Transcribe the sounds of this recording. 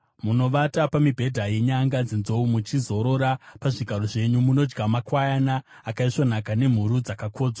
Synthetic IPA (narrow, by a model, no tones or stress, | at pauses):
muno̞ʋatapamibʱe̞dʱaje̞ɲaŋɡad͡zinzo̞umut͡ʃizo̞ɾo̞ɾapaʐiɡʱaɾo̞ʐe̞ɲumuno̞d͡ʒɡamakwajanaː | kaiʂwanakane̞m̤uɾud͡zakakʰo̞ːd͡zwa